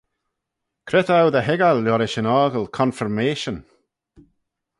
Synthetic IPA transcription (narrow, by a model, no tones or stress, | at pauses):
kʰɾɛtawd̪əɦɛɡalːɔɾɪʃɪnaːɡəlˠkʰɔ̃nfəɹmeːʃən